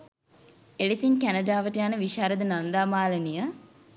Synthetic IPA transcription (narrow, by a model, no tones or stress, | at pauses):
elisinkænəɖaːʋəʈəjanəʋiʃaːɾəd̪ənand̪aːmaːlənijə